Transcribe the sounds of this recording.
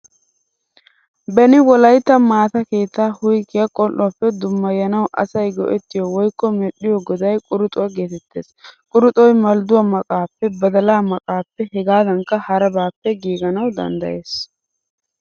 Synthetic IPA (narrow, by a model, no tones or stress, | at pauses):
bɛnɪwɔlɐjt̪ːɐmaːt̪ɐke̞ːt̪ːaːhʊjkːɪjɐkʼɔlʔːʊapːɛd̪ʊmːɐjːɐnɐwʔɐ̰sɐjɡɔ̰ʔɛt̪ːɪjɔwɔjkːɔmɛɗɪjɔɡɔd̪ɐjkʼʊɾʊt̪ʼʊwɐɡeːt̪ɛt̪ːḛːskʼʊɾʊt̪ʼɔjmɐld̪ʊwɐmɐkʼaːpːɛbɐd̪ɐlaːmɐkʼaːpːɛhɛɡaːd̪ɐŋkːɐhɐɾɐbaːpːɛɡiːɡɐnɐwd̪ɐ̰nd̪ɐ̰je̞ːs